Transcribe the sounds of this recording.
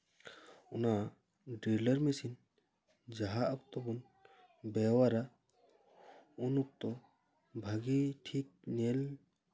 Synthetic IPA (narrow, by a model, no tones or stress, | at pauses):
una | ɖiləɾmisin | d͡ʒaɦaʔɔkt̪ɔbun | bɛwaɾa | unuk̚t̪ɔ | bʱaɡiʈʰik̚nɛl